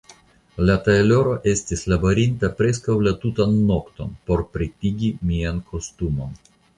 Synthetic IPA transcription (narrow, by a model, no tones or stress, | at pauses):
lataelo̞ɾo̞ʔe̞stislabo̞ɾintapɾe̞s̬kawlatutanːo̞kt̪o̞̰npo̞ɾpɾitiɡimiankʰo̞stumo̞n